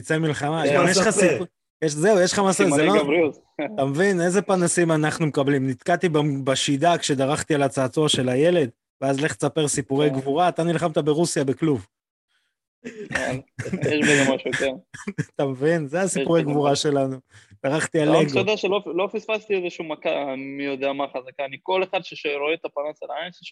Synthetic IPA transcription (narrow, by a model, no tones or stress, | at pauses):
t̪it͡semilχamaanjeʃχasi | jeʃze̞ujeʃχamasazelobɾiut | t̪amvineze̞panasimanaχnumekablimnit̪kat̪ibbaʃid̪akʃe̞d̪aʁaχt̪ialat͡saːt͡soaʃe̞laje̞le̞d̪ | veazle̞χtt͡sape̞ʁsipuʁeɡvuʁaːt̪anilχamt̪abe̞ʁusjabekluv | jeʃbeɡamaʃujoteʁt̪amvinzeasipuʁeɡvuʁaʃe̞lanud̪̥aʁaχt̪ialeɡajodeaʃelolofisfast̪iezeʃumakamijo̞d̪eamaχazakaːniko̞le̞χad̪ʃeʃaɾoet̪apanasalaainseʃ